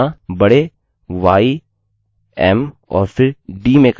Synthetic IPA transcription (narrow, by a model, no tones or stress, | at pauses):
ãbɐɽe | ʋaːi | ɛːm | ɔ̰ːɾpʰɪɾɖiːmẽːk